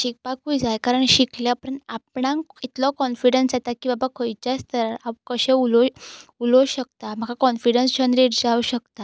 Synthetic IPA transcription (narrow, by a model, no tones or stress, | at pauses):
ɕik̚pakujd͡zajkaɾəɳɕikljapəɳap̚ɳãit̪lɔkɔnfiɽənsd͡zat̪akibabakʰəjt͡ɕjast̪ʰəɾaʋkəɕẽulɔulɔɕəkt̪am̤əɡakɔnfiɽənst͡ɕənɾiɾd͡zauɕəkt̪a